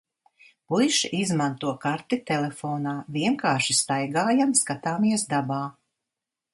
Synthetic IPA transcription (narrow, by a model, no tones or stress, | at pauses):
puiʃʔizmant̪uɔkaɾt̪it̪ɛlˠefoːnaːviɛŋkaːʃist̪ajɡaːjamskat̪aːmiɛsd̪abaː